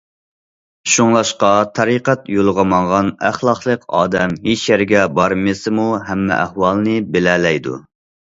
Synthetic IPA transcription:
ʃuŋlˠɑʃqɑt̪ʰɑɾiqæt̪jolˠʁɑmɑŋʁɑnæχlˠɑχlˠəqɑ̰ːd̪ɛmɦet͡ʃjæɾɡʲɛbɑɾmɨsɪmuɦɛmːɛ̰ʔæhwɑlˠnɨbelɛːlɛjd̪ṵ

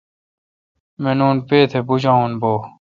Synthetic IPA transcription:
menuːnpeːt̪ʰebud͡ʑaːũnboː

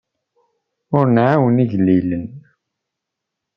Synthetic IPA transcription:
ʊɾnʕawəniʝlːilən

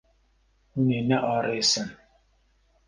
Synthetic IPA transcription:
unenaʔɔɾɪsəm

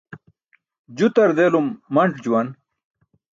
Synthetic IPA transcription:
d͡ʑut̪ɐɾd̪eːlumːɐɳʈʰd͡ʑuwɐn

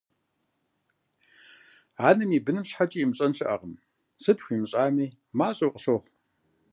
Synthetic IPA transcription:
aːnɨmiːbɨnɨmɕħat͡ʃʼijimɕʼɐnʂɨʔɐ̰ʁəm | sɨpʰxʷiːmɨɕʼaːmiː | maːɕʼowqʼəɕoʁ

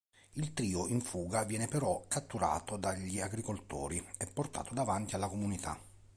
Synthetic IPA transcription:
ilt̪ɾiːoiɱfuːɡavjɛːnɪpɛɾɔkat̪ːuɾa̰ːt̪od̪aʎːiaɡɾikolt̪o̰ːɾiɛpːort̪a̰ːt̪od̪avant̪ialːakomunit̪ʰa̰

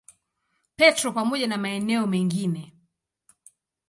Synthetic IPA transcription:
pɛtɾɔpamɔʄanamaɛnɛɔmɛŋɡinɛ

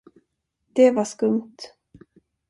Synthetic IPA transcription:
d̪̥ɛvaʂkɵmt̪

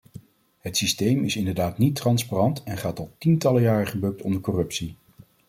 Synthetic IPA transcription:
ɦətsistejmɪsɪndəɹdaːtnitːrɑnsparɑntɛnχaːtɑlˠtintɑləjaːrəχəbɵk̚tʰɔ̰ndəɹkɔrɵpsi

